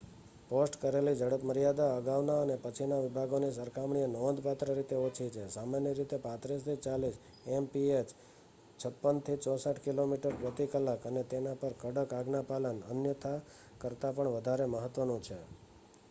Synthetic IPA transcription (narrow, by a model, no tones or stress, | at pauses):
posʈkəɾelid͡ʒəɽəpməɾijad̪aəɡaʋnaənepət͡ʃʰinaʋɪbʱaɡonisəɾkʰamɳienɔnd̪pat̪ɾəɾit̪eot͡ʃʰit͡ʃʰesamanjəɾit̪epãt̪ɾist̪ʰit͡ʃalis | empiet͡ʃ | t͡ʃʰəpːənt̪ʰit͡ʃɔsaʈʰkilomiʈəɾpɾət̪ikəlakənet̪enapəɾkəɽəkaɡnapalənə̰njət̪ʰa | kəɾt̪apəɳʋəd̪ʱaɾeməɦət̪ːʋənũt͡ʃʰe